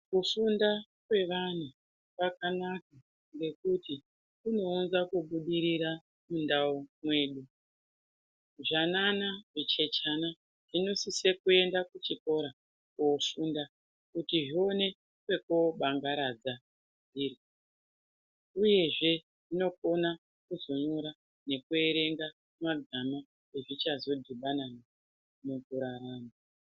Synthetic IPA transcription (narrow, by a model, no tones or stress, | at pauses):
kufunda | kwe̞ʋan̤u | pakanak̚a | ŋɡe̞kuti | kuno̞unzakuɓuɗiɾiɾa | mundaumwe̞ːɗu | ʐananaʐit͡ʃe̞t͡ʃana | ʐ̥ino̞sisekue̞ndakut͡ʃiko̞ɾa | kofunda | kutiʐio̞ne̞ | kwe̞koɓaŋɡaɾad͡za | niːri | uje̞ʐe̞ | ʐino̞ko̞na | kuzo̞ɲuɾa | ne̞kue̞ɾe̞ŋɡa | maɡʱama | e̞ʐit͡ʃazo̞dʱiɓanana | mukuɾaɾaːna